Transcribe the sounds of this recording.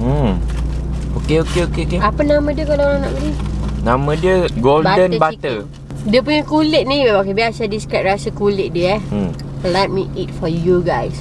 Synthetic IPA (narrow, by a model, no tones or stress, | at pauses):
okeokeokeokeapənamə̃diəkalaoɾãŋna̰ʔbəlinãmə̃diəɡolbddənbat̪ə | diəp̬uɲəkulɪt̪̚nĩbabakəbiasadiskɾɛt̚rasəkulɪʔ̚diəɛ | lɛt̚miit̚fɔjuɡajs